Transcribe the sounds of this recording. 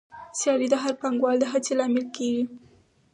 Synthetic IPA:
sjɑlid̪əɦaɾpaŋɡwɑld̪əɦat͡selɑmɪlkewi

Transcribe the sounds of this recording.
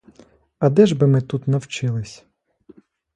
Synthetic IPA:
ɐd̪ɛʒbɪmɪt̪ut̪nɐwt͡ʃɪlˠɪsʲ

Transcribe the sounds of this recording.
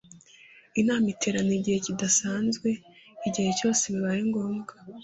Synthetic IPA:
inaːmitʰe̞ɾanoiɟihe̞cidasaːnzɡwe̞ | iɟihe̞co̞ːse̞βiβaɾiŋɡo̞ːmɡa

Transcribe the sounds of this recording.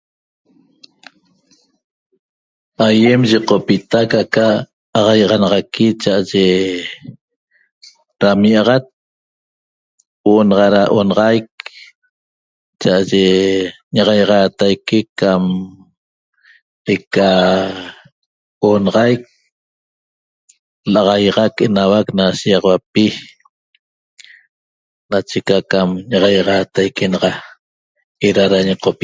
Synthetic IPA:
ajemʒiqopit̪akakaː | ʁɑjʁɑnɑʁɑkit͡ʃaʔaʒe | ɾamiʔɑʁɑt̪̚ | woʔonɑʁɑɾaʔonɑʁɑjk̚ | t͡ʃaʔaʒe | ɲɑʁɑjʁɑːt̪ajkikam | eka | onɑʁɑjk̚ | lɑʁɑjʁɑkenawaknaʃijɑʁɑwap̚i | nat͡ʃekakamɲɑʁɑjʁɑt̪ajkenɑʁɑ | eɾaɾaɲɑqʰopi

